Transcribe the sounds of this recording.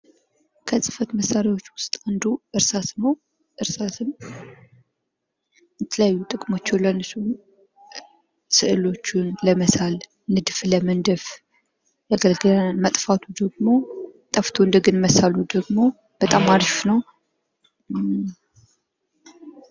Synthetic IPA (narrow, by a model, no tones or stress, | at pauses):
kʰəsʼɨ̥fət̪məsːaɾjawo̞t͡ʃːwʊst̪ʼand̪uʔɨɾsasnəw | ʔɨɾsasɨn | jɛt̪ʰələjajːut̪ʼɨkʼmo̞t͡ʃːɛwlənɨsun | sɨʔɨlo̞t͡ʃːunləməsal | nɨd̪ɨfləmɨnd̪ɨf | jaɡəlɡɨnmət̪ʼfat̪ʰud̪əɡmo̞t̪ʼəft̪ʰoɨnd̪əɡɨnməsalud̪əɡmo̞ | b̥ət̪ʼamːaɾʃfnəw